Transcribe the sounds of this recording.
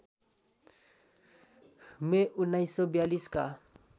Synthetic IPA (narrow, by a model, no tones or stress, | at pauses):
meʔʊnːajsːɔbjaliska̰